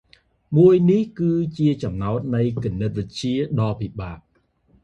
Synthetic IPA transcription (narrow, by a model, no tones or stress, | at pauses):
muəjnihkɨːt͡ɕiət͡ɕɑmnaɔt̪̚nɨjkonːət̪̚ʋɨc̚t͡ɕiəɗɑːpiɓaːʔ̚